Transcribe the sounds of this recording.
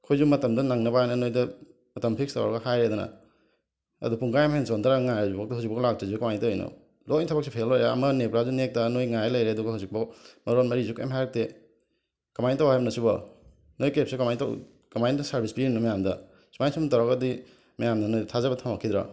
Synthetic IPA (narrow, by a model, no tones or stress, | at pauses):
kʰojzumɐtɐmdɐnaŋnɐbaajnɐnojdɐ | mɐtɐmpʰikstawɾɾa̰ɡɐhajɾed̪unɐ̰ | ɐ̰dupʰuŋkajamhensondʰaɾaŋajazubak̚tɐhuwzik̚bɐɡlak̚tezukɐmajntɐjno̰ | lojntʰɐbɐk̚sipʰelaɾeɐmɐnepɾazunek̚tɐnojŋajlɐjɾeɐduɡɐhawzik̚bɐmɐɾonmɐɾizukaj̰mɦajɾɐk̚te | kɐmajntawajbɐnɐsubɐ | nojkep̚sekɐmajnta̰ | kɐmajndɐsaɾbʱispinnɐmɐjamdɐ | smajnsumtawɾaɡɐdi | mɐjamdɐnojtʰazɐbɐtʰamakʰːid̪ɾa̰